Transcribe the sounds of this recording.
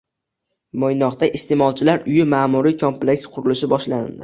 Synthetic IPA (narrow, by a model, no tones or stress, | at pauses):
mojnɒqt̪aʔɪst̪emɒlˠt͡ʃʰɪlaɾʊjɪmaːmuɾijkʰo̞mple̞ksqʰʊɾɪlɪʃɪbɒʃlanɪ̰ld̪ɪ